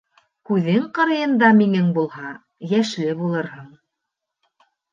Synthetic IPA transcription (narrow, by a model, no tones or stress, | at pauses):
kʉðɘŋqɤ̆ɾɤ̆jɤ̆nd̪ɑminɘŋbulˠhɑ | jæʃlɘbulˠɤɾhɤɴ